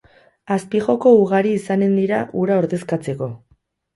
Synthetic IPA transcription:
aspiʝo̞ko̞uɣ̞aɾiːsane̞nd̪iɾaʔuɾao̞ɾðe̞skat͡se̞ko̞

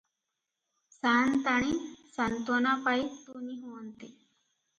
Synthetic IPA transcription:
sant̪aɽ̃isant̪ɔnapajt̪unĩɦunt̪e

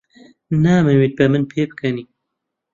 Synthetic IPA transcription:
naːmɨwit̪̚bɛmɨnpʰeːbɨkʰɛniː

